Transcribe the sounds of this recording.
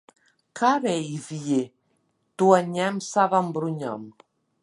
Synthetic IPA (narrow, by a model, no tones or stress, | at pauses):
kʰaβɛivie | t̪uaɲɛmsaβambɾuɲɔ̰m